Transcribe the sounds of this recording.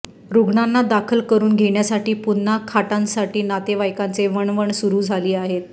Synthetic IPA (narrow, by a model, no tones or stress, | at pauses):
ɾuɡɳanːad̪akʰəlkəɾuːnɡʱeɳjasaʈiːpunːakʰaʈãnsaʈiːnat̪eʋajkãnt͡seʋəɳʋəɳsuɾuːd͡zʱaliːaɦet̪